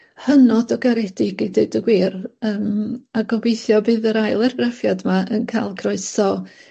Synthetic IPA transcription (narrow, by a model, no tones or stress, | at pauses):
hənɔdɔɡaɾɛd̥ɪɡideɨdəɡwiːrəːmaɡɔbejθjɔbɨːðəɾajlˠɛrɡrafjadmaʔənkʰajlˠɡʰrɔɨsɔ